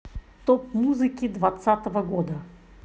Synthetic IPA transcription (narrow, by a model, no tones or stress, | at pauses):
t̪opmuzɨkʲɪd̪vɐt̪sat̪əvəɡod̪ə